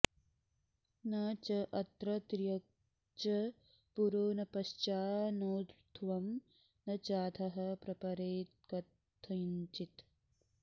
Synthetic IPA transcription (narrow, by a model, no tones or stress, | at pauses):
nɐt͡ʃɐʔɐt̪ɾɐt̪ɾijɐk̚ | t͡ʃɐ | puɾoːnɐpɐʃt͡ʃaːnoːt̪ɾt̪ʰʋɐm | nɐt͡ʃaːt̪ʰɐɦɐ̆pɾɐpɐɾeːt̪kɐt̪ʰːɐɲt͡ʃit̪